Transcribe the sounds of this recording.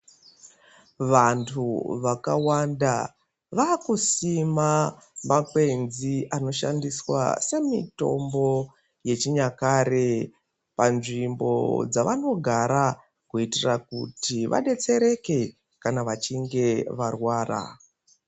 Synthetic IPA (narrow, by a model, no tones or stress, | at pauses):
ʋantʰuʋakawanda | ʋaːkusimamakwe̞nziʔano̞ʃa̰ndiswa̰se̞mito̞̰mbo̞ | je̞t͡ʃiɲakaɾe̞ | panʐimbo̞̰d͡zaʋano̞ɡʱaɾa | kuitirakutiʋa̰ɗe̞t͡se̞ɾe̞ke̞ | kanaʋat͡ʃiŋɡe̞ʋarwaːra̰